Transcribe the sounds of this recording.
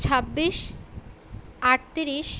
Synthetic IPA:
t͡ɕʰabːiʃ | aʈ̚t̪iɾiʃ

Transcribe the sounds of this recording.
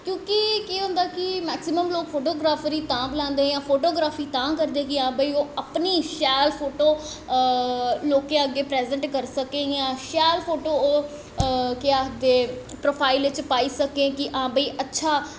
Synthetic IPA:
kjõːkɪkeːɦʊ̃ːnd̪aːkɪmɛːksɪməmloːkfʰoːʈoːɡɾaːfɾiːt̪ãːblãːnd̪ẽːjãːpʰoːʈoːɡɾaːfiːt̪ãːkəɾd̪ẽːkɪãːbəiːoːəpniːʃɛːlpʰoːʈoː | loːkẽːəɡːeːpɾɛːzə̃ɳʈkəɾsəkẽːjãːʃɛːlpʰoːʈoːoː | kɪaːd̪eː | pɾoːpʰaːɪlʋɪt͡ʃpaːiːsəkẽːkɪʔãːbəːiːʔətːʃʰaː

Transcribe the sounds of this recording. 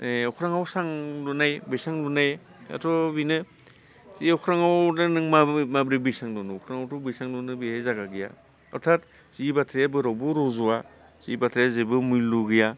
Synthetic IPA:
eɔkʰɾaŋawsaŋlunajbisaŋlunaj | a̰tʰɔbinɯ | ziɔkʰɾaŋawdɯnɯŋmamabɾibisaŋlɔnuɔkʰɾaŋawtubisaŋlunɯbehezaɡaɡija̰ | ɔɾtʰat̚ | z̥ibatʰɾijabɯɾawbɯɾɔzɔwa | z̥ḭbatʰɾijazebɯmujluɡija

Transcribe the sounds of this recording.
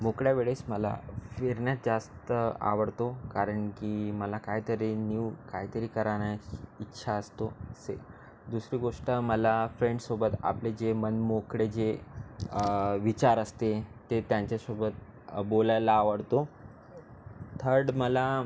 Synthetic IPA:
mokɽjaʋeɭesməla̰feɾɳjat̪̚d͡zast̪əa̰ʋəɽt̪okaɾəɳkiməlakaɦit̪əɾeniʋkaɦit̪əɾiːkəɾaɳjaitːɕʰaəst̪osḛ | d̪usɾiːɡoʂʈəməlafɾeɳɖsobət̪a̰pled͡ʑemənmokɽed͡ʑe | ʋit͡ɕaɾəst̪et̪et̪jãɲt͡ɕjasobət̪̚ | bolajlaːʋəɽt̪o | t̪ʰəɾɖməla

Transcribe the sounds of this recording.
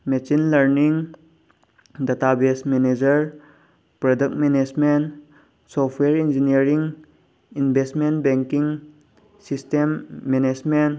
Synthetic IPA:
mesinlɐɾniŋ | databesmened͡ʒɐɾ | pɾɔdək̚tmened͡ʒmen | sɔpʰweɾind͡ʒiniəɾiŋ | inbʱestmentbeŋkiŋ | sistemːenesmen

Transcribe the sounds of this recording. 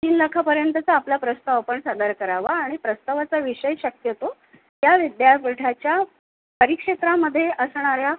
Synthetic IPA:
t̪iːnləkʰapəɾjənt̪ət͡saːplapɾəst̪aʋpəɳsad̪əɾkəɾaʋaːɽ̃ipɾəst̪aʋat͡saʋiʂəjɕəkjət̪o | t̪jaʋid̪japiʈʰat͡ɕja | pəɾikʂet̪ɾaməd̪ʱːjeʔəsɳ̃aɾja

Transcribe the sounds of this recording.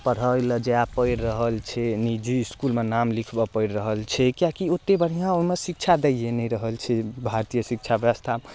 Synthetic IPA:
pəɽ̤əjləd͡ʒeapəjɾːəɦəlt͡ʃʰɛnid͡ʒiːskulmenamlikʰbɔpəɪɾɾəɦəlt͡ʃʰɛkijakiot̪ːebəɽ̤ijãoimesik̚t͡ʃʰad̪eenɛɾəɦəlt͡ʃʰɛbʱaɾt̪ijəsik̚t͡ʃʰabjbəst̪ʰa

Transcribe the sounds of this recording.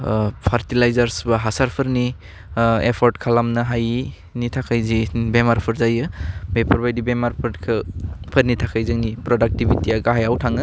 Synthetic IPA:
pʰaɾtilajzaɾsbaɦasaɾpʰɯɾni | epʰɔɾtkʰalamnɐɦaj | nitʰakʰajzibemaɾpʰɯɾzajɯbepʰɔɾbajdibemaɾpʰɯɾkʰɯpʰəɾnitʰakʰajzɯŋnipɾɔdak̚tibitiaɡaɦajawtʰaŋɯ

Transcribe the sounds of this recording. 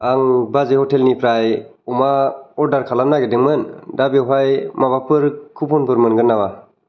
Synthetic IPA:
aŋbazehɔtʰelnipɾaj | umaɔɾdaɾkʰalamnaɡedɯŋmɯndabeɦajmaβapʰɯɾkʰupʰɔnpʰɯɾmɯnɡɯnːawa

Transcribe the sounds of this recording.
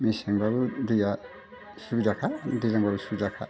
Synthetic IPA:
miseŋbaβudija | subidakʰadizaŋbabusubidakʰa̰

